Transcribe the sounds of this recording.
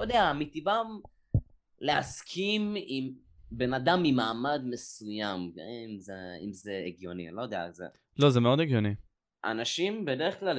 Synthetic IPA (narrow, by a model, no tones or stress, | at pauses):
jd̪eamit̪ivam | leaskʰimim | benad̪amːimaːmad̪me̞sujam̰imzeḭmzeeɡjo̞nḭlojd̪ea̰lzḛ | lo̞zemeo̞d̪eɡjoni | ʔa̰naʃimbed̪eʁeχklal